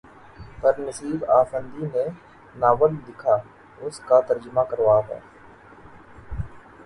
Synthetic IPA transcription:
pɐɾnəsiːbaːfə̃nd̪ine | naːʋəld̪ɪkʰaː | ʊskat̪əɾd͡ʒəmakəɾʋaːɦa̰ː

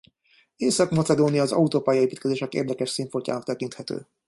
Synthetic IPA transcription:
eːsɒkmɒt̪sɛd̪oːnijɒːzɒ̰ut̪oːpaːjɒeːpiːt̪kɛzeːʃɛkḛːrd̪ɛkɛʃsiːɱforca̰ːnɒkt̪ɛkint̪hɛt̪ø̰ː

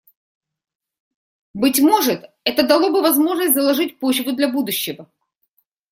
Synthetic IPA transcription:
bɨtʲmo̞ʐɨt̪ | ɛt̪əd̪ɐlˠo̞bɨvɐzmo̞ʐnəsʲtʲzɐlˠɐʐɨt̚ʲpo̞t͡ɕvʊd̪lʲɐbud̪ʊɕːɪvə

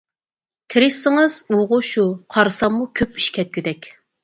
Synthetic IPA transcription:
t̪ʰɪɾɪʃsːɪŋɨz̥uʁʊʃuqʰɑɾɨsɑmːukʲʰøpi̥ʃkʲʰɛt̪̚kʲyd̪ɛkʲ

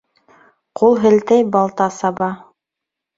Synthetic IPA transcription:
qulˠɦɘ̆lt̪ɘjbɑlˠt̪ɑsɑbɑ

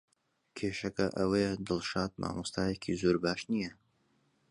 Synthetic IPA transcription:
kʰeːʃɐkɐʔɐwɐjɛd̪ɨlˠʃaːt̪̚ma̰ːmust̪aːjekʰḭzoːɾbaːʃnijɐ

